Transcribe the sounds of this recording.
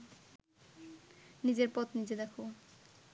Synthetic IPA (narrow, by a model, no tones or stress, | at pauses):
nid͡ʑeɾpɔt̪nid͡ʑed̪ɛkʰo